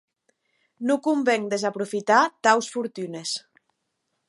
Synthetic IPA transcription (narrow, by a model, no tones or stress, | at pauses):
nukumbeŋd̪ezapɾufit̪at̪awsfuɾt̪ynes